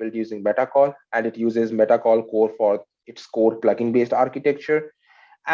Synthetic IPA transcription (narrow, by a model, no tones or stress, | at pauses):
ɪljuːzɪ̃ŋmɛʈakɔːlæ̃ɳɖɪʈjuːzezmɛʈakɔːlkoːɾfɔːɾ | ɪʈskoːɾplaɡɪ̃ŋbeːsʈaːɾkɪʈɛk̚t͡ʃəɾ